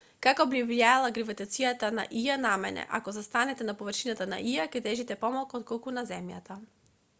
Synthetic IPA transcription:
kakɔbivliaalˠaɡɾivɛt̪at̪sijat̪ana̰ʔijanamɛ̰nɛ̰ʔa̰kɔzast̪anɛt̪ɛnapɔvɾʃinat̪ana̰ʔijakɛd̪ɛʒit̪ɛpɔmalˠkɔt̪̚kolˠkunazɛmja̰t̪a

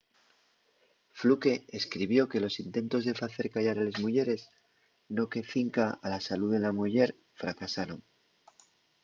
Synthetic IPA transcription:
fluke̞eskɾiβjo̞ke̞lo̞sint̪e̞nt̪o̞zðe̞faθe̞ɾkaʝaɾalezmuʝe̞ɾe̞z | no̞keθiŋkaalasaluðe̞lamuʝe̞ɾ | fɾakasaɾo̞ŋ

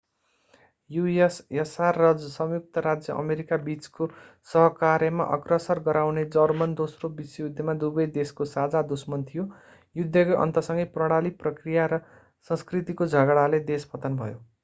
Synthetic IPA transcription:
juesjʌsarːʌd͡zsʌmjuk̚t̪ʌɾad͡zjʌʔʌ̰meɾikabit͡sko | sʌɦʌkaɾjʌma̰ʔʌ̰krʌsʌrɡʌɾawned͡zʌrmʌnd̪osrobisʌjud̪ʱjʌmad̪ubʌjd̪eskosad͡zad̪usmʌnt̪ʰijo | jud̪ʱːʌkoʔʌ̰nt̪ʌsʌŋɡʌjprʌɽ̃aliprʌkrijaɾʌ | sʌ̃skrit̪ikod͡zʱʌɡɽaled̪espʌt̪ʌnbʱʌjo

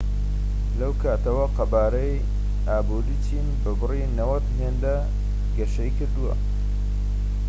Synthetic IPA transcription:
lɐwkʰaːt̪ɐwɐqɐbaːɾɐj | aːbuɾit͡ʃʰiːnbɐbɨrinɐwɐt̪ɦeːnd̪a | ɡɐʃɐikɨɾd̪uwɐ̰

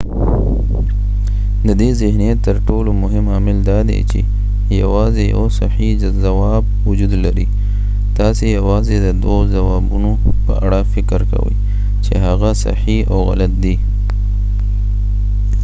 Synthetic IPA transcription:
d̪əd̪ezɪhnijat̪ːəɾʈolomʊɦɪmɑmɪld̪ɑd̪ḛt͡ʃḛ | ja̰wɑzeja̰wsahi | zawɑb̚ | wʊd͡ʒud̪laɾi | d̪̥ɑsejawɑzed̪əd̪wozawɑbuno | pə̰ʔa̰ɽafɪkɾka̰wə̰j | t͡ʃḛɦaɣasa̰hiawɣa̰lat̪̚d̪i

